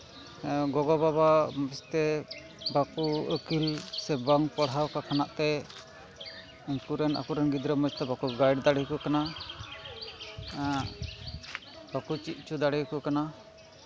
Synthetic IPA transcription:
ɡɔɡɔbabaməst̪ɛ | bakuəkilsɛbaŋpɔɽawkakʰanaʔt̪ɛ | iŋkuɾɛna̰kuɾɛnɡid̪ɾəməst̪ɛbakuɡajɖd̪aɽikukana | b̥akut͡ʃiʔ̪̚ˀt͡ʃud̪aɽikukana

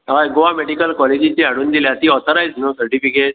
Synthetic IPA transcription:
aɡoameɽikəlkɔled͡ʑit͡ɕeɦaɽuːnd̪iljat̪iːɔt̪ʰɔɾajd͡znosəɾʈifikeʈ̚

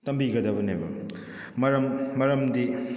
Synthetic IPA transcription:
tɐmbiɡɐdɐbɐnebɐ̰ | mɐɾɐmːɐɾɐmdi

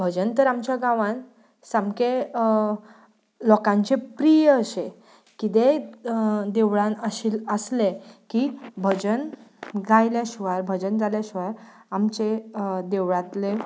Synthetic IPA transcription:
bʱəd͡ʑənt̪əɾamt͡ɕjaɡãʋãn | samke | lɔkãɲt͡ɕepɾijəəɕe | kit̪e | d̪eʋɭãnəɕiːləslekibʱəd͡ʑənd͡zajljaɕʋaɾbʱəd͡ʑənd͡zaljaɕʋaɾamt͡ɕed̪eʋɭãt̪le

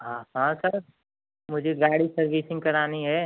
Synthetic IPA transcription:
ɦãːhãːsəɾ | mʊd͡ʒʱeɡaːɽisɐɾbiːsɪ̃ŋɡkɐɾaːniɦɛ

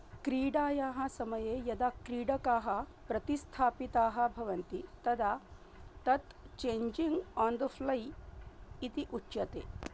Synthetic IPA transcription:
kɾiːɖaːjaːɦɐ̆sɐmɐjeːjɐd̪akɾiːɖɐkaːɦɐ̆pɾɐt̪ist̪ʰaːpit̪aːɦɐ̆bʱɐʋɐnt̪it̪ɐd̪a | t̪ɐt̪t͡ʃeːɲd͡ʒiŋɡɔːnd̪əflɐj | it̪iʔutːʃɐt̪ḛː

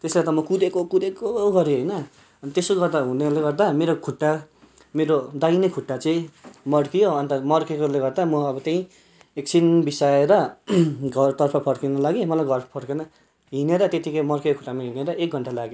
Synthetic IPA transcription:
t̪eslet̪ʌmʌkudekokud̪ekoɡʌɾjoɦʌjnʌ | ʌnit̪esoɡʌrd̪aɦuneleɡʌrd̪ameɾokʰuʈːa | meɾod̪ajnʌkʰuʈːat͡sʌĩmʌɽkijoʌnt̪amʌrkekoleɡʌrd̪amʌʌbʌt̪eĩ | eksʰinbisaeɾʌɡʌrt̪ʌrpʰʌpʰʌɽkinʌlaɡemʌlajɡʱʌrʰpʰʌɽkenʌ | ɦineɾʌt̪et̪ikʌjmʌrkekokʰu̥ʈːamaɦineɾʌʔek̚ɡʱʌɳʈalaɡjo

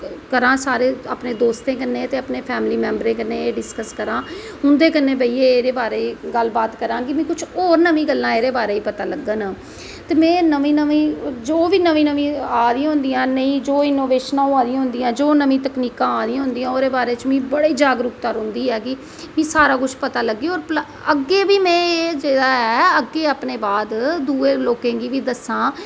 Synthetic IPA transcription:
kəɾãːsaːɾeːa̰ːpnẽːd̪oːst̪ẽːk̬ənːẽːt̪eːəpneːpʰɛːmliːmɛ̃ːmbəɾẽːkənẽːeːɖɪskəskəɾãː | ʊ̃nd̪eːkənːẽːbəiːeːeːɾeːbaːɾeːɡəlbaːt̪kəɾãːɡimɛ̃ːkʊt͡ʃʰoːɾnəmĩːɡəlːãːeːɾeːbaːɾeːiːpət̪aːləɡːəːnãː | t̪eːmɛ̃ːnəmĩːnəʋĩːd͡ʒoːʋiːnəʋĩːnəʋĩːaːd̪ĩãɦʊ̃nd̪ijãːnəĩːd͡ʒoːɪnoːʋeːʃnãːõːãːd̪iãɦʊ̃nd̪iːãːd͡ʒoːnəmĩːt̪əkniːkãːaːd̪iãɦʊ̃nd̪ĩːãːoːɾeːbaːɾeːt͡ʃmĩːbəɽeːd͡ʒaːɡɾʊkt̪əɾʊ̃nd̪iːɛːkɪ | mĩːsaːɾaːkʊt͡ʃʰpət̪aːləɡːiːɔːɾpl | əɡeːbiːmɛ̃ːed͡ʒeːdaːɦɛːəɡːeːaːpneːbaːd̪d̪uːeːloːkẽːɡiːʋiːd̪əsãː

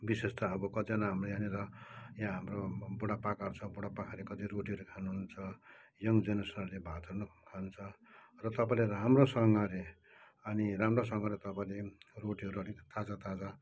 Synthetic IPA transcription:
bisest̪aʌbʌkʌd͡zanaɦamrojaniɾʌjãɦamrobuɽapakart͡sʰʌbuɽapakʰaɾekʌd͡ziɾoʈiʌɾukʰanuɦunt͡sʰʌjʌŋd͡zenʌsʌnrlebʱat̪ʌrnukʰant͡sʰʌ | rʌt̪ʌpaĩleɾɦamrosʌŋɡʌɾe | ʌniramrosʌŋʌɾet̪ʌpaĩleroʈiɦʌɾuʌnit̪ad͡zat̪ad͡za

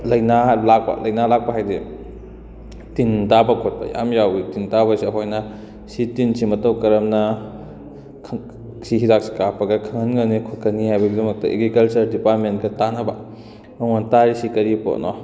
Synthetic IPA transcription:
lɐjnaɦlak̚pɐ̰lɐjnalak̚pɐɦajdi | tintabɐkʰot̚bɐ̰ja̰mjawitintabɐsiɐɦojnɐ | sitinsimɐtɐwkɐɾɐmnɐ | kʰ | siɦiɾak̚si̥kapɐɡɐkʰɐŋɐnɡɐnikʰokʰɐnːihajbɐɡidɐmɐk̚tɐʔeɡɾikɐlt͡ʃɐɾdipaɾtmentkɐtanɐbɐ | mɐmontaɾisikɐɾipo̰nɔ̰

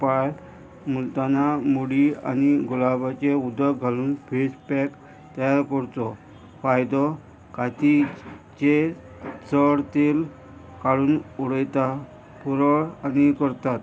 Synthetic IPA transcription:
paj | mult̪anamuɽia̰niɡulabat͡ɕeud̪əɡʱaluːnfespɛk | t̪əjaɾkəɾt͡s̪ɔ | fajd̪ɔ | kat̪it͡ɕe | t͡səɽt̪el | kaɽuːnuɽəjt̪a | puɾəɭanikəɾt̪at̪

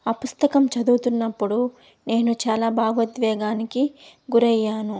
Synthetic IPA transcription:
ɐpust̪ɐkɐmt͡ʃɐd̪uːt̪unːɐpːuɽu | ne̞ːnut͡ʃaːlaːbʱaːɡɐd̪ʋɛːɡaːnikiɡuɾɐjːaːnu

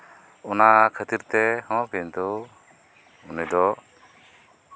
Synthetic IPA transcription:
ɔnakʰət̪iɾt̪ɛhɔ̃kɛnt̪u | unɛd̪ɔ

